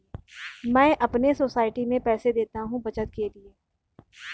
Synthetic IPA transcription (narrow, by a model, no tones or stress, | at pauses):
mɛ̃ːʔɐpnesoːsaːɪʈimẽpɛːsed̪eːt̪aɦũbɐt͡ʃət̪̚kelieː